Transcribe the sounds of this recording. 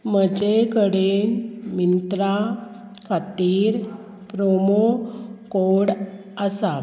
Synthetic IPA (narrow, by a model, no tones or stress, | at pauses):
məd͡ʑekəɽenmint̪ɾa | kʰat̪iːɾ | pɾomokoɽ | əsa